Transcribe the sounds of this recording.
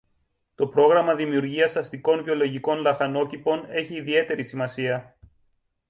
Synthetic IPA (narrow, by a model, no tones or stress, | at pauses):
t̪o̞pɾo̞ɣɾɐmɐðimiuɾʝiɐsɐst̪iko̞nvio̞lo̞ʝiko̞nlɐxɐno̞cipo̞ne̞çiːðie̞t̪e̞ɾisimɐsiɐ